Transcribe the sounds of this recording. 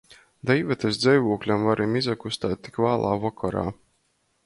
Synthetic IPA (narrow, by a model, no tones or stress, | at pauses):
d̪ɛjvɛt̪esd̪zɛjvuɔklʲamvaɾʔimizakust̪aːt̪ːi̥kvaːlˠʔaːvɔkʰɔɾa̰ː